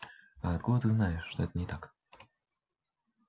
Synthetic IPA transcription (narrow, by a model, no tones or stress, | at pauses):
aɐt̪̚kud̪ət̪ɨznajɪʂːt̪ɔɛt̪ənʲɪt̪ak